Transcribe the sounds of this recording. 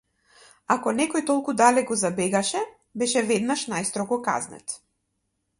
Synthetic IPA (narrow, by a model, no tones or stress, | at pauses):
akɔnɛkɔjt̪ɔlˠkud̪alɛɡɔzabɛɡaʃɛ | bɛʃɛvɛd̪naʃnajst̪ɾɔɡɔka̰znɛ̰t̪